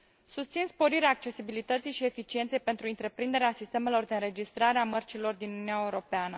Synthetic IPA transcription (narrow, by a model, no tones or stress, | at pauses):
sust̪sinspo̞ɾiɾeaːk̚t͡ʃe̞sibilit̪ət̪sijʃie̞fit͡ʃie̞nt̪sejpe̞nt̪ɾuɨnt̪ɾe̞pɾind̪e̞ɾeasist̪e̞me̞lo̞rd̪e̞ɨnɾe̞d͡ʒist̪ɾaɾeamərt͡ʃilo̞rd̪inununeaeuɾo̞peanə